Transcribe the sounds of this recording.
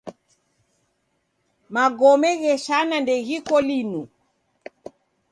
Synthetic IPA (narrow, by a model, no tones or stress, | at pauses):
maɡɔmɛɣɛʃanandɛɣikɔlinu